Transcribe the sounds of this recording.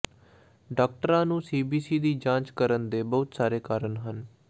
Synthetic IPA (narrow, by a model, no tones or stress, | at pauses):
ɖaːk̚ʈəɾãːnũːsiːbiːsiːd̪iːd͡ʒãːt͡ʃkəɾənd̪eːbəɦʊt̪saːɾeːkaːɾənɦən